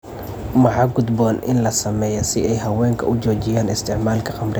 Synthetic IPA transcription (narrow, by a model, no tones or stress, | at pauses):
mɑħɑɡʊd̪bɔːnʔɪ̰nlɐsɐmɛːjɐsɪɛjɦɐwɛːŋkʰɐ̰ʊt͡ʃɔːt͡ʃɪjaːnɪst̪ʰɪʕmaːlkʰɐqɑmrɛ